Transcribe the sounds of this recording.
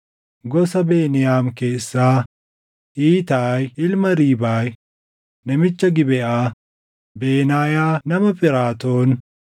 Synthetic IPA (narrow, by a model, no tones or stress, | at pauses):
ɡɔsɐbeːnɪjaːmke̞ːsːaː | ʔiːt̪aːjɪlmɐɾiːbaːj | nɐmɪt͡ʃːɐɡɪbɛʔaː | be̞ːnaːjaːnɐmɐfpɪɾaːt̪oːn